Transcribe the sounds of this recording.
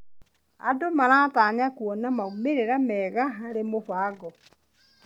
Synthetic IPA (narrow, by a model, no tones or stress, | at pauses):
a̰domaɾaːtaːɲakwɔnamaumeɾeɾamɛːɣaɦaɾemofaːɣɔ